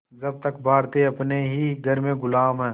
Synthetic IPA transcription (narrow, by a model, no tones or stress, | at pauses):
d͡ʒɐb̚t̪əkbʱaːɾt̪eɐpneɦiɡʱɐɾmẽɡʊlaːmɦɛ̃ː